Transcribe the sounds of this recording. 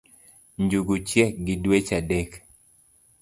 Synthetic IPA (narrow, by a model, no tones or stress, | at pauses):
ɲd͡ʒuɡut͡ʃjɛk̚ɡɪdwet͡ʃadɛk